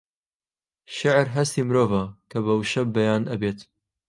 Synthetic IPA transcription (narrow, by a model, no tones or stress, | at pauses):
ʃɪʕɾɦɐst̪iːmɾoːvɐkʰɐβɐwʃɐb̚ːɐjaːnʔɐbeːt̪